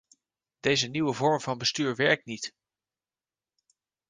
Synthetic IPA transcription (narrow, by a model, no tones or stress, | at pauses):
d̥ejzəniwəvɔɹmvɑnbəstyːɹʋɛɹk̚tnit